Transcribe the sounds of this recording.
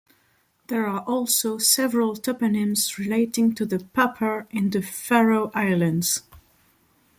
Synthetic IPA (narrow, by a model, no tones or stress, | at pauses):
ðə˞aʔɔlˠsoʊsɛvəɹəlˠtʰɔpɨnɪ̃mzɹɪleɪtɪ̃ŋtʰɨðəpʰapʰə˞ɪ̃nðɨfɛɹoʊʔaɪlˠə̃ndz̥